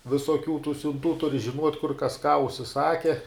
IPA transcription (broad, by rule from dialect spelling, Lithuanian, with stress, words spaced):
ʋʲɪsoːˈkʲuː tuː sʲʊnˈtuː ˈtʊrʲɪ ʒʲɪˈnuɔtʲ kʊr kɐs kɑː ʊʃʲsʲɪˈsɑːkʲɛ